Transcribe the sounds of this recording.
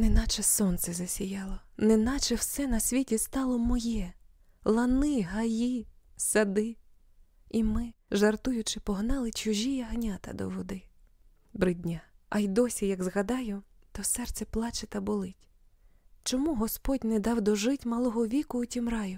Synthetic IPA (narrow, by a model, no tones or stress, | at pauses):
nɪnɑt͡ʃɛsɔnt̪sɛzɐsʲijɑlˠɔnɪnɑt͡ʃɛwsɛnɐsʲʋʲitʲist̪ɑlˠɔmɔjɛ | lˠɐnɪɦɐjisɐd̪ɪ | imɪʒɐrt̪ujʊt͡ʃɪpɔɦnɑlˠɪt͡ʃʊʒʲijɐɦnʲat̪ɐ̰d̪ɔ̰ʋɔd̪ɪ | bɾɪdʲnʲaɐjd̪ɔsʲijɐɡzɣɐd̪ɑjʊt̪ɔsɛrt̪t͡sʲɛplˠɑt͡ʃɪt̪ɐbɔlˠɪtʲ | t͡ʃɔmuɦɔspɔdʲnɛd̪ɑwd̪ɔʒɪtʲmɐlˠɔɦɔʋʲikʊːtʲimrɑjʊ